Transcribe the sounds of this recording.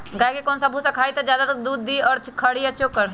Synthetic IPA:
ɡaːkekɔːnsabʱusakʰaːit̪ad͡ʒjaːd̪at̪kd̪uːd̪ːiɔːɾt͡ʃkʰːəɽiat͡ʃokːəɾ

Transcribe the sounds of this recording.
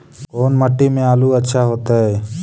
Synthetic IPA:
koːnməʈːimẽaːluətːʃʰaɦoːt̪aɦɛː

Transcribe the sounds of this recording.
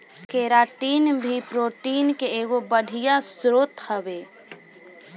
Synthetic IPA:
keːɾaːʈiːnbʱipɾoːʈiːnkeeːɡobəɽʱijasɾoːt̪həbeː

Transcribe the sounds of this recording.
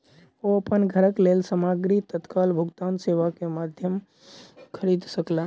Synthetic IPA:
oəpənɡʱəɾəklelsəmaɡɾit̪ət̪kalbʱuɡt̪anseʋakemad̪ʱjəm | kʰəɾid̪səklən

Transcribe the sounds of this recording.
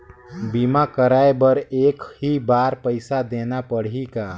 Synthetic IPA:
biːmakəɾaːebɐɾeːkɦibaːɾpəɪsad̪eːnapəɽ̤ikaː

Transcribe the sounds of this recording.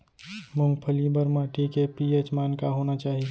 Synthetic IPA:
mʊ̃ŋɡpʰəlibəɾmaːʈikepieːt͡ʃmaːnkaɦoːnat͡ʃaːɦie

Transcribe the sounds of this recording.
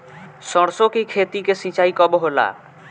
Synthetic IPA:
sɔɽ̃sokikʰet̪ikesĩt͡ɕaikɔboɦola̰

